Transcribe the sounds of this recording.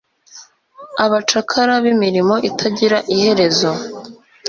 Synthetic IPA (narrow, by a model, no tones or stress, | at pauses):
aβat͡ʃakʰaɾaβimiɾimo̞ʔitʰaɟiɾaʔihe̞ɾe̞zo̞